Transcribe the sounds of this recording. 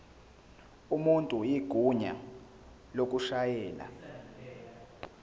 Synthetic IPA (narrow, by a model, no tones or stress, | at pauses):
umuntʼujiɡ̥ʱuɲa̰ | lok̬ʼuʃajɛːla̰